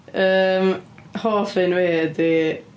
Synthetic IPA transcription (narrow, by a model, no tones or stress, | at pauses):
əːmhoːfɨnweːdi